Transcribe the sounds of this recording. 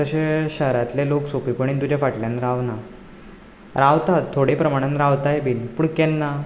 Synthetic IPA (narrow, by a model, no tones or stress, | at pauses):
t̪əɕeɕəɦɾat̪leloksopipəɳ̃iːnt̪ud͡ʑʱjafaʈljanɾaʋna | ɾaʋt̪at̪ʰːoɽepɾəmaɽ̃ənɾaʋt̪ajebiːnpuɳkɛnːa